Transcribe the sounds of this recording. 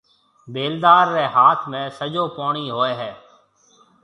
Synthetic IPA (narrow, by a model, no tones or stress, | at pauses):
beːld̪aːɾːeːɦaːt̪ʰmẽːsəd͡ʒoːpoːɳiːɦoːeːɦɛː